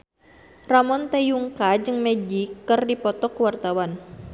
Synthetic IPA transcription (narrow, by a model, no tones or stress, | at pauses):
ramɔnt̪ejuŋkad͡ʒɨŋmɛd͡ʒikːərdipɔt̪ɔkəwart̪awan